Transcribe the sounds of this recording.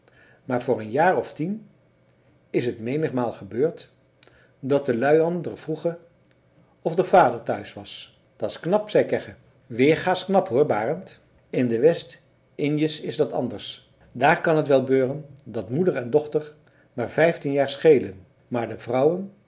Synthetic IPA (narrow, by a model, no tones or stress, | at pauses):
maːɹvʊːɹənjaːɹɔftin | ɪsɦətmejnəχmaːlˠχəbøːɹt | dɑt̚əlœɥɑndərv̥ruχə | ɔfdəvaːdəɹtœɥsʋɑs | d̥ɑtɪsknɑpsɛjkɛχə | ʋɪːɹχaːsknɑpɦʊːɹbaːrənt | ɪndəʋɛst | ɪndjəsɪzdɑtɑ̰ndəɹs | daːɹkɑnɦətʋɛlˠbøːrəndɑtmudəɹɛndɔχtəɹ | maːɹvɛjftinjaːɹsχejlən | maːɹdəvrʌwən